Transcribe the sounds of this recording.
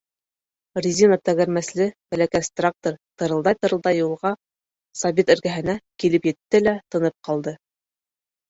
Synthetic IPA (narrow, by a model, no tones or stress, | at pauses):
rʲizʲinot̪æɣæ̆ɾmæslɘbælækæsʲt̪rak̚t̪oɾt̪ɤ̆ɾɤ̆lˠd̪ɑjt̪ɤ̆ɾɤ̆lˠd̪ɑjːulˠʁɑ | sɑβit̪ɵ̆ɾɡæɦɘ̆nækilɘpjɘ̆t̪ːɘlæt̪ɤ̆nɤp̚qɑlˠd̪ɤ